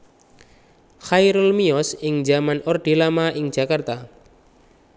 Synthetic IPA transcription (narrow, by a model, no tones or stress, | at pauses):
xajɾulmiɔsɪŋd͡ʒamanɔrɖ̪̥ilamaʔɪŋ̥d͡ʒ̥a̤kart̪a